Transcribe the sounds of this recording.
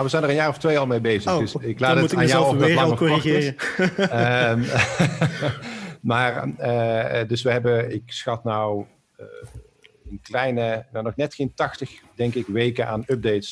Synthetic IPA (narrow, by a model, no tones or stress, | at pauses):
awʋəzɛjnəʁənjaːrɔftʋejɑlˠmejbejzədəsɪklaːdəaːnjaɔɛɪlkoiɪːə | maːrədɵsʋəɦɛbəɪksxɑtnɔw | ənklɛjnənanɔχnɛtxejntɑxtəxdɛŋkɪkʋejkənʔaːnɵb̚dejts